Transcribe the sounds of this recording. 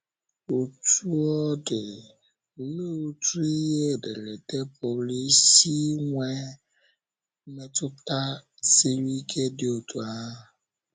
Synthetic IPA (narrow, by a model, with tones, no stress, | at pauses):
o˨tu˦ɔ˦dɪ˨ | lo˦tu˦i˦ɦe˦˨de˨ɾe˨te˦po˨li˦si˦ŋʷe˦ | me˦tʊ˦ta˦ | si˦ɾi˦kʰe˦dɪ˦o˨tu˨a˦˨